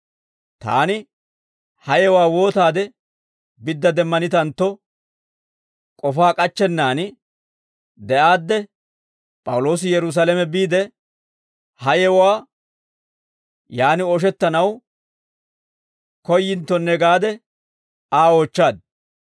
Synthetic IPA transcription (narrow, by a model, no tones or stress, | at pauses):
t̪a̰ːnɪ | hɐjɛwaːwo̞ːt̪aːd̪ɛ | bɪd̪ːɐd̪ɛmːɐnɪt̪ɐnt̪ːɔ | kʼɔfaːkʼɐt͡ʃːɛnːaːnɪ | d̪ɛʔaːd̪ːɛ | pʼɐwʊlo̞ːs̬ɪjɛɾʊs̬aːlɛmɛbiːd̪ɛ | hɐjɛwwaː | jaːnɪɔʃ̬ɛt̪ːɐnɐw | kɔjːɪnt̪ːɔnːɛɡaːd̪ɛ | aːo̞ːt͡ʃːaːd̪̚